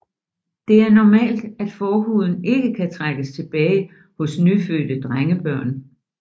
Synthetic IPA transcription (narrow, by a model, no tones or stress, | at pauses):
d̥e̝æɐnɒmɛ̰ːld̥æd̥fɒːɦṵð̞ˠn̩e̝ɡ̥əkʰæt͡sʰʁaɡ̥əst͡sʰe̝b̥ɛːɪ | hɔ̽snyfø̰ːd̥əd̥ʁaŋəb̥ɶɐ̰n